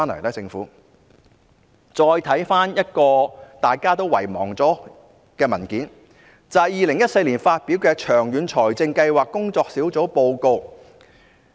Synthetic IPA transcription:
aː˥nlɐ˨˩lɐ˥t͡sɪ˧ŋfuː˨˥ | t͡sɔː˧jt̪ʰɐ˨˥jfaː˥njɐ˥t̚kɔː˧t̪aː˨jkaː˥t̪̬o˥wɐ̰˨˩jmɔ̰ː˨˩ŋt͡sɔː˨˥ | kɛː˧mɐ˨˩nkiː˨˥n | t͡sɐ˨jiː˨lɪ˨˩ŋjɐ˥t̚se˧jliː˨˩nfaː˧t̚piː˨˥wkɛː˧t͡ʃʰœː˨˩ŋjyː˨˥nt͡ʃʰɔː˨˩jt͡sɪ˧ŋkɐ˧jwaː˨˩kːʊ˥ŋt͡sɔː˧k̚siː˨˥wt͡so˨˥po˧wko˧w

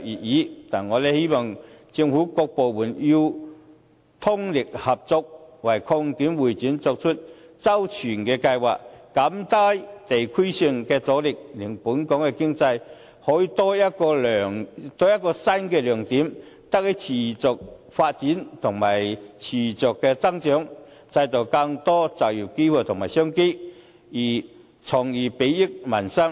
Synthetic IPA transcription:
jiː˨˩t̚jiː˨˥t̪aː˨˩nŋɔː˨˧lɛː˧he˥mɔ˨˩ŋt͡sɪ˧ŋfuː˨˥kɔː˧k̚po˨wmuː˨˩nji˧w | t̪ʰʊ˥ŋlɪ˨k̚hɐ˨p̚t͡sʊ˧k̚wɐ˨˩jkʰɔː˧ŋt̪iː˨˥mwuː˨˩jt͡siː˨˥nt͡sɔː˧k̚t͡ʃʰʊ˥t̚t͡sɐ˥wt͡ʃʰyː˨˩nkɛː˧kɐ˧jwa̰ː˨k̚ːa˨˥mt̪aː˥jt̪e˨jkʰi˥jsɪ˧ŋkɛː˧t͡sɔː˨˥lɪ˨k̚lɪ˨˩ŋpuː˨˥nkɔː˨˥ŋkɛ˧kɪ˥ŋt͡sɐ˧j | hɔː˨˧˥ji˧t̪ɔː˥jɐ˥kɔː˧lœː˨˩ŋt̪ɔː˧jɐ˥t̚kːɔː˧sa˥nkɛː˧lœː˨˩ŋt̪iː˨˥m | t̪a˥k̚hi˨˧˥t͡sʰiː˨˩t͡sʊ˨k̚ | faː˧t̚t͡si˨˥nt̪ʰʊ˨˩ŋmaː˨˩jt͡sʰiː˨˩t͡sʊ˨˩kːɛː˧t͡sa˥ŋt͡ʃœː˨˥ŋ | t͡sa˧jt̪o˨˧wkɐ˧ŋt̪ɔ˥t͡sɐ˨˩wji˨˩wke˥wʰu˧˩t̪ʰʊ˨˩ŋmaː˨˩jsœː˥ŋke˥ | jiː˨˩ | t͡sʰɔ˨˩ŋjiː˨˩pe˨˥ji˥k̚mɐ˨˩nsɐ˥ŋ

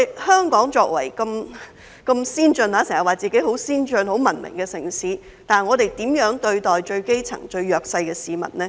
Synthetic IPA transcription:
hœː˥ŋkɔː˨˥ŋt͡sɔː˧k̚wɐ̰˨˩jkɐ˧m | kɐ˧msiː˥nt͡ʃɵ˧naː˨˧se˨˩ŋhɐ˨˩waː˨˩t͡siː˨ke˨˥ho˨˥wsiː˥nt͡ʃɵ˧nɦo˨˥wmɐ˨˩nmɪ̰˨˩ŋkɛː˧sɪ˨˩ŋsiː˨˥ | t̪aː˨˩nŋɔː˨˧t̪e˨jt̪iː˨˥mjœː˨˥ŋt̪ɵ˧ɥt̪ɔː˨jt͡ʃɵ˧ɥke˥jt͡sʰɐ̰˨˩ŋt͡ʃɵ˧ɥjœː˨k̚sɐ˧jkɛː˧siː˨˧mɐ̰˨t̚nɛː˥

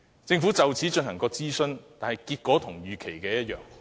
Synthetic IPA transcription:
t͡sɪ˧ŋfuː˨˥t͡sɐ˨wt͡sʰiː˨˥t͡ʃɵ˧nhɐ˨˩ŋkɔː˧t͡siː˥sɵ˥˧nt̪aː˨nhɐ˨˩jkiː˧t̚kʷɔː˨˥t̪ʰʊ˨˩ŋjyː˨kʰe˨˩jkɛː˧jɐ˥t̚jœː˨ŋ

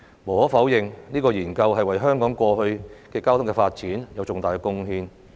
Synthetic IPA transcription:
mo˨˩hɔː˨˥fɐ˨˥wjɪ˨ŋniː˥kɔː˧jiː˨˩nkɐ˧wɦɐ˨jwɐ˨˩jɦœː˥ŋkɔː˨˥ŋkʷɔː˧hɵ˧ɥkɛː˧kaː˥wt̪ʰʊ˥ŋkɛ˧faː˧t̚t͡siː˨˥njɐ˨˧wt͡sʊ˨ŋt̪aː˨jkɛː˧kʊ˥ŋhiː˧n

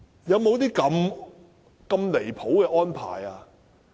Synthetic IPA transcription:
jɐ˨˧wmo˨˧wt̪iː˥kɐ˧m | kɐ˧mle˨˩jpʰo˨˥wkɛː˧ʔɔː˥npʰa̰ː˨˩jaː˧

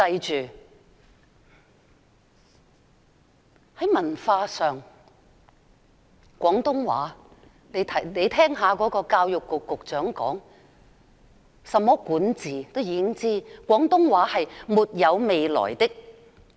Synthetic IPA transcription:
tɐ˧jt͡ʃyː˨ | hɐ˨˥jmɐ˨˩nfaː˧sœː˨ŋ | kʷɔː˨˥ŋt̪ʊ˥ŋwa̰ː˨˥ | ne˨˧t̪ʰɐ˨ne˨˧jt̪ʰɛː˥ŋɦaː˨˧kɔː˨˥kɔː˧kaː˧wjʊ˨kːʊ˨kːʊ˨k̚t͡ʃœː˨˥ŋkɔ̰ː˨˥ŋ | sɐ˨mːɔː˥kuː˨˥nt͡siː˨t̪o˥wjiː˨˧kɪ˥ŋt͡siː˥kʷɔː˨˥ŋt̪ʊ˥ŋwaː˨˥hɐ˨jmuː˨t̚jɐ˨˧wme˨jlɔ̰ː˨˩jt̪ɪ˥k̚

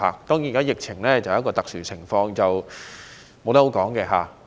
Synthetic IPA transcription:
a̰ː˨˩k̚t̪ɔː˥ŋjiː˨˩kaː˥jɪ˨k̚t͡sʰɪ˨˩ŋlɛː˥t͡sɐ˨˦˥kɔː˧t̪ɐ˨k̚syː˨˩t͡sʰɪ˨˩ŋfɔː˧ŋt͡sɐ˨w | mo˨˧wt̪ɐ˥ho˨˥kɔː˨˥ŋkɛː˧ɦa̰ː˨˩

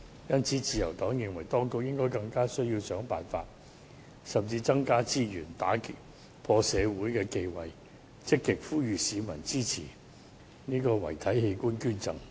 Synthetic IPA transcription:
jɐ˥nt͡sʰiː˨˥t͡siː˨˧jɐ˨˩wt̪ɔː˨˥ŋjɪ˨ŋwɐ˨˩jt̪ɔː˥ŋkʊ˨k̚jɪ˥ŋkɔː˥jkɐ˧ŋkaː˥sɵ˥ɥjiː˧wsœː˨˥ŋpaː˨nfa̰ː˧t̚ | sɐ˨˩mt͡siː˧t͡sɐ˥ŋkaː˥t͡siː˥jyː˨˩nt̪a̰ː˨˥kɪ˨˥k̚ | pʰɔː˧sɛː˨˧wuː˨˥jkɛː˧ke˧jwɐ˨j | t͡sɪ˥kːɪ˨k̚fuː˥jyː˨siː˨˧mɐ̰˨˩nt͡siː˥t͡sʰḭː˨˩ | niː˥kɔː˧wɐ̰˨˩jt̪ʰɐ˨˥jhe˧jkuː˥nkyː˥nt͡sɐ˨˧ŋ

